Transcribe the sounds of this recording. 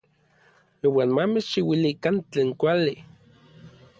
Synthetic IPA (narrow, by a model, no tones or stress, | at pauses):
iwaːnmamet͡ʃʃiwilikant͡ɬeːŋkʷali